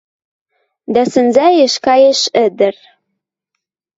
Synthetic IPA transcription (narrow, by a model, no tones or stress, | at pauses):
d̪æsɘ̆nzæjĕʃkɑjĕʃɘ̆d̪ɘ̆r